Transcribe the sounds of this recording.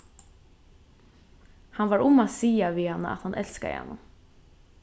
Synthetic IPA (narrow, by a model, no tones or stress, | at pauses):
hanʋaɹʊmasiːaʋiːhanːə̰a̰t̪hanʔɛlskaɪ̰ha̰nːʊm